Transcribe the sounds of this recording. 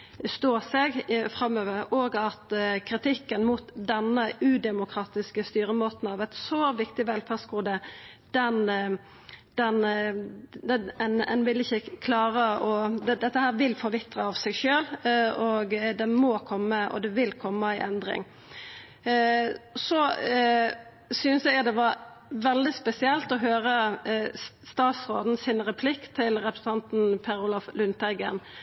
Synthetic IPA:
st̪oːsɛɡfɾɑmːøːʋəɾɔːɡɑt̪kʰɾɪt̪ʰɪkːənmut̪d̪ɛnːəʉːd̪ɛmʊkʰɾɑːt̪ɪskəst̪yːɾəmoːt̪n̩ɑːʋæɪt̪sɔʋɪkt̪ɪʋɛlfæʁsɡuːd̪ə | d̪̥ɛn | d̪̥ɛn | ɛnɛnʋɪlɪçːəkʰlɑːʁəɔd̪ɛd̪ɛt̪ːəhæːʁʋɪlfɔɾʋɪt̪ːɾəɑʋsɛɡʃøːlɔɡd̪ɛmɔkʰɔmːəʔɔ̰d̪ɛʋɪlkʰɔmːəæɪʔɛnd̪ɾɪ̰ŋ | sɔ | sʏnsjɛɡd̪ɛʋɑɾ | ʋɛld̪ɪspɛsɪɛlt̪ɔɦøːɾə | st̪ɑːt̪sɾoːd̪n̩sɪnɾɛpʰlɪkt̪ʰɪlɾɛpɾə̥sn̩t̪ʰɑnt̪n̩pʰɛɾʊlɑflʉnt̪æɪɡə̰n

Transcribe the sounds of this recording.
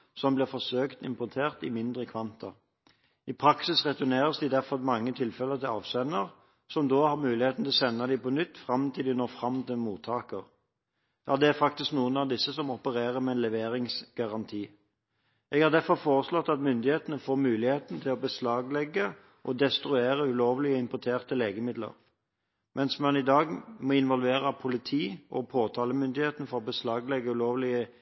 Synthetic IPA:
sɔmblɪʁfɔsøːkt̪ɪ̰mpʊt̪ʰeːʁt̪ɪ̰mɪnd̪ʁəkʰʋɑnt̪ʰə | ipʰʁɑksɪsʁɛt̪ʊneːɾəsd̪ɪd̪æʁfɔmɑŋːət̪ʰɪlfɛləʁt̪ɪlɑ̰ːʋsɛnəʁ | sɔmd̪oːhɑʁmʉːlɪheːt̪n̩t̪ʰɪlɔsɛnːɑd̪ɪpɔnʏt̪ːfʁɑmt̪ʰɪld̪ɪnoːʁfʁɑmːt̪ɪmuːt̪ʰːɑːkəʁ | jɑːd̪ɛæɾfɑk̚t̪ɪsknuːənɑʋd̪ɪsːəsɔmɔpəɾeːʁəmɛɛnlɛʋeːʁɪŋsɡ̥ɑʁɑnt̪ʰiː | ɛɡhɑʁd̪æɾfɔfoːʁəslɔt̪ːɑt̪mʏnd̪ɪheːt̪ənəfoːɾmʉːlɪheːt̪n̩t̪ʰɪlɔbəslɑːɡlɛɡːə | ʔɔd̪ɛst̪ɾʉeːʁəʉloːʋlɪəɪmpɔt̪ʰeːʁt̪əleːɡəmɪd̪lə̰ʁ | mʔɛnsmɑnɪd̪ɑːɡmɔɪnʋɔlʋeːʁəpʰʊlɪt̪ʰiːʔɔ̰pʰoːt̪ʰɑːləmʏnd̪ɪheːt̪nəfɔʁɔbəslɑːɡlɛɡːəʉloːʋlɪə

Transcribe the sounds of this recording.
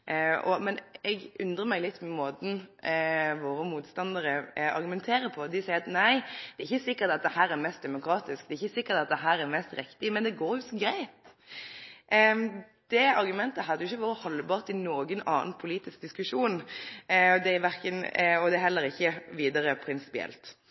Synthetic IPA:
ɔ̰mɛnɛɡʉnd̪ɾəmæɪlɪt̪ːmɛmoːd̪n̩ | ʋoːɾəmuːt̪st̪ɑnd̪əɾəɑ̰ɾɡʉmɛnt̪ʰeːɾəpʰɔd̪ɪsæɪəɾɑt̪næɪd̪̥ɛæɾɪçːəsɪkːəɾt̪ɑt̪̚d̪ɛhæːɾɛɾmɛst̪d̪ɛmʊkʰɾɑːt̪ɪsk̚d̪ɛːɪçːəsɪkːət̪ɑt̪̚d̪ɛɦæːɾæɾmɛst̪ɾɪkt̪ɪmɛnd̪ɛɡoːɾjʊsɔɡɾæɪt̪ | d̪̥ɛɑɾɡʉmɛnt̪əɦɑd̪əjʊɪçːəʋoːɾəhɔlːbɑːʁt̪ɪnoːɡənɑ̰ːnpʰʊliːt̪ɪsk̚d̪ɪskʉʂuːn | ɔd̪ɛʋæɾkənɔd̪ɛæɦɛlːəɾɪçːəʋiːd̪əɾəpʰɾɪnsɪ̥pɪɛ̰lt̪

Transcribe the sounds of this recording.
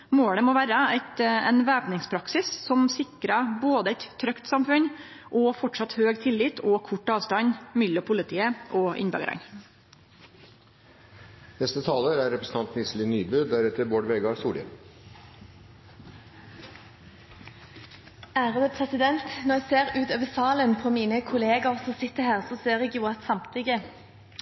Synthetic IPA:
moːɽəmoːʋæːɾəæɪt̪ɛnʋæːpnɪŋspʰɾɑksɪssɔmsɪkɾəboːd̪əɛɪt̪tʰːɾœkt̪sɑmfʉɲ | ʔɔːfɔʈʂɑt̪høːɡt̪ʰɪlːɪt̪ʰɔːkʰʊʈːɑːʋst̪ɑɲmʏlɔpʰʊlɪt̪ʰiːəʔoːʔɪ̰nbø̰ːɡə̰ɾɑ̰ŋ | nɛst̪ət̪ʰɑːləɾæɾɛpɾəsn̩ʰɑnt̪nɪslɪnyːbʉːd̪æɾɛt̪əɾboːɖʋeːɡɑɾsuːɖɪə̰ | æːʁəpʰʁɛsɪd̪ɛnt̪nɔʁjæɡseːʁʉːt̪øːʋəsɑːlənpʰɔmiːnəkʰʊleːɡɑʁsɔsɪt̪ːəhæːʁsɔseːʁɛɡjuːɑt̪sɑmt̪ʰɪɡə

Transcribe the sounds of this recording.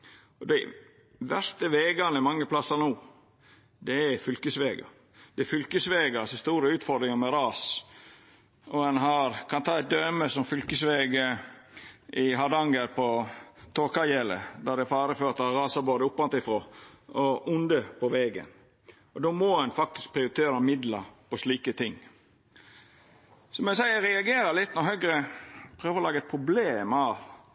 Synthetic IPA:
ɔd̪æɪ | ʋæst̪əʋeːɡɑnəɛmɑŋːəpʰlɑsːənuː | d̪ɛæfʏlkəsʋeːɡɑ̰ | d̪ɛɛfʏlkəsʋeːɡɑsɔst̪uːɾəʉːt̪fɔɾd̪ɾɪŋəmɛɾɑːs | ɔɛnɦɑɾkʰɑnt̪ʰɑːɛt̪̚d̪øːməsɔmfʏlkəsʋeːɡə | ʔɪɦɑd̪ɑŋɡəɾpʰɔt̪ʰoːkɑjɛlə̰d̪æd̪ɛfɑːɾəføːɾt̪əɑɾɑːsɑboːd̪əʊpːʋɑnt̪ɪfɾoːɔʔʊnd̪əpʰɔʋɛːɡə̰n | ɔd̪oːmɔɛnfɑk̚t̪ɪ̥sk̚pʰɾɪʊɾɪt̪ʰeːɾəɑmɪd̪ləɾpɔsliːkət̪ʰɪŋː | sɔmɛsæɪəɾɛɑɡeːɾəlɪt̪ːnɔhœɡɾəpʰɾøːʋəɾɔlɑːɡəɛt̪̚pʰɾʊbleːmɑʋ

